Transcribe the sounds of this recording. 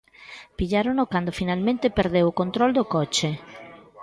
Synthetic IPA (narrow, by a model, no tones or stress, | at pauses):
piʎaɾonokwand̪ofinalmẽnt̪epeɾd̪ewokont̪ɾɔld̪okɔt͡ʃe